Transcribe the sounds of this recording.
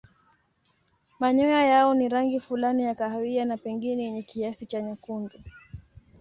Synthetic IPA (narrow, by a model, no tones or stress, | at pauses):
maɲɔjajaɔniɾaŋɡifulanijakaɦawianapɛŋɡinɛjɛɲɛkiasit͡ʃaɲakundu